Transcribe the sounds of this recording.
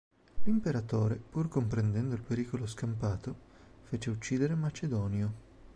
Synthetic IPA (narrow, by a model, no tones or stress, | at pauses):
limpeɾat̪oːɾepurkompɾend̪ɛnd̪oilpeɾiːkoloskampaːt̪ofeːt͡ʃeut͡ʃːiːd̪eɾemat͡ʃed̪ɔːnjo